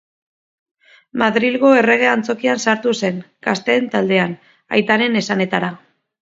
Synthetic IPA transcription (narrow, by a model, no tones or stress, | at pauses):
maðɾilɣo̞e̞re̞ɣ̞e̞ant͡so̞kiansaɾt̪use̞n | kast̪e̞ːnt̪ald̪e̞an | a̰jt̪aɾe̞nesane̞t̪aɾa